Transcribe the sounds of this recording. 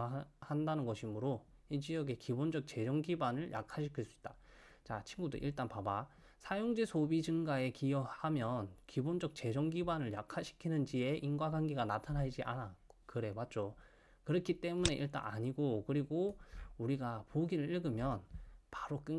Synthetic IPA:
handanɯnɡʌɕʰimɯɾoit͡ɕijʌɡe̞kibond͡ʑʌk̚t͡ɕe̞d͡ʑʌŋɡibanɯɭja̰kʰaɕʰikʰiɭs͈uit̚t͈ḁ | t͡ɕat͡ɕʰinɡudo̰ʔiɭt͈anpaba | sʰajoŋd͡ʑe̞sʰobid͡ʑɯŋɡae̞kijʌhamjʌnkibond͡ʑʌk̚t͡ɕe̞d͡ʑʌŋɡibanɯɭjakʰaɕʰi̥kʰinɯnd͡ʑie̞ʔinɡwaɡaŋɡiɡanatʰanad͡ʑiʔanaokɯɾe̞mat̚t͡ɕ͈o | kɯɾʌkʰit͈e̞mune̞ʔḭɭt͈a̰na̰ɲiɡokɯɾiɡouɾiɡapoɡiɾɯɭiɭɡɯmjʌnpaɾok͈ɯ

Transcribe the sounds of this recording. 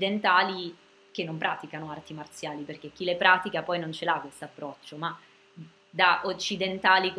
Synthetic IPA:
d̪ent̪aːli | k̟enːompɾʔaːt̪ikanoart̪imart̪sjaːliperkek̟ːilepɾaːt̪ikapɔjnont͡ʃelakːwest̪oapːɾɔt͡ʃːoma | d̪aʔot͡ʃːid̪ent̪aːlik

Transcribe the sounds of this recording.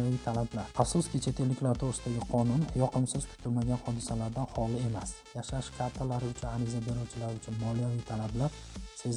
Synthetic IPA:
vijt̪ʰalablaɾafsʊskʲɪt͡ʃʰe̞t̪ʰe̞lːɪkʲlaɾt̪ʰoʁɾɨst̪ʰaɡʲɪqʰɒnʊnjɒqʰɨmsɪz̥kʲʰʊ̥t̪ʰʊlmaɡʲanhɒd̪ɪsalaɾd̪anhɒlˠɪe̞masjaʃaʃkʰat̪ʰːalaɾɪʊt͡ʃʰʊnaɾɪzabe̞ɾɒwt͡ʃʰɪlaɾɪʊt͡ʃʰʊnmɒlˠijavit̪ʰalablaɾ | sez

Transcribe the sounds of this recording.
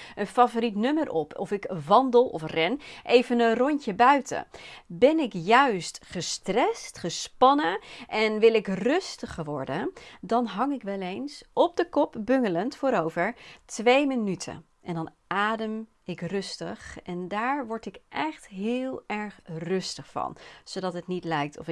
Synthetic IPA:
ənfaːvoɾitnɵmərʔɔpʰɔfɪkʋɑndəlˠɔ̰frɛnʔejvənənrɔncəbœɥtə̰bɛnɪkjœɥstχəstrɛstχəspɑnəʔɛnʋɪlˠɪkrɵstəχəʋɔ̰ɹdəndɑnɦɑŋɪkʋɛlejnsɔb̚dəkɔpbɵŋələntfʊːɾowvəɹtʋejmənytʰə̰ | ʔɛndɑn | aːdəm | ɪkrɵstəχɛndaːɹʋɔɹtɪkʔɛχtɦɪːlˠɛɹχrɵstəχfɑ̰nz̥owdɑtɦətnitlɛjk̚tɔ̰fɪ

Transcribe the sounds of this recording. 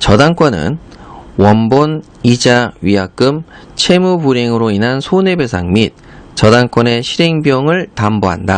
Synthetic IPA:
t͡ɕʌdaŋk͈wʌnɯ̰nwʌmbon | id͡ʑaɥiɦak̚k͈ɯm | t͡ɕʰe̞mubuɾeŋɯɾoinɦansʰone̞be̞sʰa̰ŋmit̚ | t͡ɕʌdaŋk͈wʌne̞ɕʰiɾeŋbjʌŋɯɭtamboɦa̰nda

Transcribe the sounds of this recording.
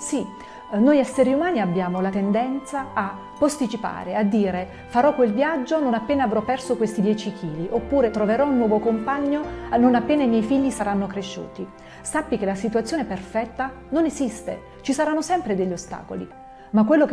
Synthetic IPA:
si | nojɛsːeɾiumaːniabːjaːmolat̪end̪ɛnt̪saː | pːost̪it͡ʃipa̰ːɾead̪ːiːɾe | faɾɔkːwelvjad͡ʒːononapːeːnaːvɾɔpːɛrsokwest̪id̪jɛːt͡ʃikʰiːliʔopːuːɾet̪ɾoveɾɔunːwɔːvokompaɲːononapːeːnaimjɛjfiʎːisaɾanːokɾeʃːṵːt̪i | sapːik̟elasit̪uat̪sjoːneperfɛt̪ːa | nonezist̪ḛ | t͡ʃisaɾanːosɛmpɾed̪eʎːost̪a̰ːko̰lḭ | makwelːok

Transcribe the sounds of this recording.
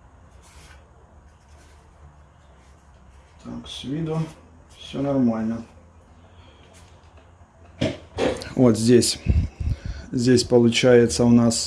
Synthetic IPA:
t̪a̰ksʲvʲid̪ʊ | fsʲɔnɐrmalʲnɐ | ɔt̪zʲd͡zʲesʲ | zʲd͡zʲesʲpɐlˠʊt͡ʃajɛt̪sːəwnas

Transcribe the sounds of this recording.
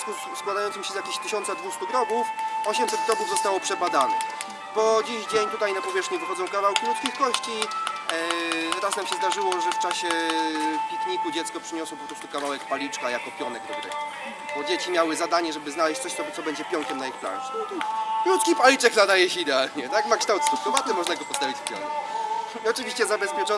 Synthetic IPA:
ku | skwad̪ajɔnt̪sɨmɕɛzjakʲeɕt̪ɘɕɔnt̪sad̪vust̪uɡɾɔbufɔɕɛmsɛd̪ɡɾɔbuvzɔst̪awɔpʂɛbad̪anɛ̰ | bɔd͡ʑiʑd͡ʑeɲt̪ut̪ajnapɔvʲɛʂxɲivɘxɔd̪zɔ̃w̃fkavawkʲilut̪skʲixkɔɕt͡ɕi | ɾasnamɕɛzd̪aʐɘwɔʐɛft͡ʂaɕɛ | pʲikɲikud͡ʑɛt̪skɔpʂɘɲɔswɔpɔpɾɔst̪ukavawɛkpalʲit͡ʂkajakɔpʲjɔnɛk̪ɔɡɾɛ̰ | bɔd͡ʑet͡ɕimʲjawɘzad̪aɲɛʐɛbɘznalɛɕt͡ɕ̪̚ʲsɔɕt̪sɔt̪sɔbɛɲd͡ʑɛpʲjɔŋkʲɛmnaixpla̰nʂnɔt̪kɾut̪kʲipalʲit͡ʂɛknad̪ajɛɕɛid̪ɛalɲɛt̪akmakʂt̪awt̪st̪ut̪ɔvat̪ɛmɔʐnaɡɔpɔst̪avʲit͡ɕfpʲjɔ̰ŋkɛ̰k | iɔt͡ʂɘvʲiɕt͡ɕɛzabɛspʲjɛt͡ʂɔ

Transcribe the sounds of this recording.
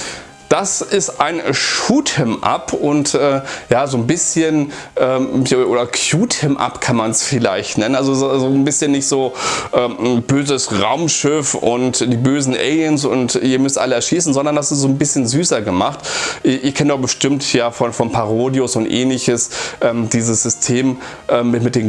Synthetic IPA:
d̥asɪstʔaɪnʃuːtʰɛmʔa̰pʰʊntʔɛːjaːzoːnbɪsçən | ʔɛːʔoːdɐkʰjuːtʰəmʔa̰pkʰanmansfɪla̰ɪçtnɛnənʔalzozzoːnbɪsçənːɪçtz̥oːʔɛːb̥øːzəsʁaʊmʃɪfʊ̰ntd̥iːbøːzn̩ʔɛ̰ljənsʊ̰ntiːɐmʏstʔa̰ləɛɐʃiːsn̩zɔndɐndasɪstz̥oːnbɪsçənzyːsɐɡəmaχtʔɪʔɪɐkʰɛnədɔb̥əʃtɪmtʰjaːfɔnfɔnpʰaʁoːdjosʊntʔɛ̰ːnlɪçəsʔɛːmd̥iːzəsz̥ʏstʰeːm | ʔɛːmːɪtmɪt̚d̥eːm

